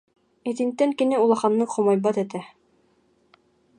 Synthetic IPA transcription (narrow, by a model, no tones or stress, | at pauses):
ĕt̪int̪ːæŋkɘ̆nɘulˠɑχɑnːɤχŏmɑjbɑt̪æ̆t̪æ